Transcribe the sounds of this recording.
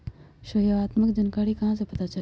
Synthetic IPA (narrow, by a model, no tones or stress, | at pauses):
ʃoɦjoaːt̪məkd͡ʒɐnkaːɽikɐɦãs̬epɐt̪at͡ʃɐ